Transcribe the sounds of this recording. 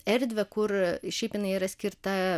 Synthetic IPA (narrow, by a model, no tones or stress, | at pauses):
ɛɾʲd̪ʲʋʲɛkʊɾʃʲɛɪpjɪnɐɪiɾɐsʲkʲɪɾt̪ɐ